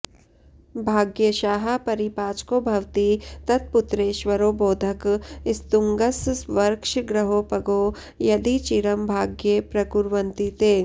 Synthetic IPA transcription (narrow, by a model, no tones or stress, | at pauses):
bʱaːɡjɐʃaːɦapɐɾipaːt͡ʃkoːbʱɐʋt̪it̪ɐt̪̚pʊt̪ɾeːʃʋɐɾoːboːd̪ʱɐkɪst̪uŋɡɐssʋɐɾkʃɡɾɐɦoːpɐɡoː | jɐd̪it͡ʃiɾɐmbʱaːɡjepɾɐkuɾʋɐnt̪it̪eː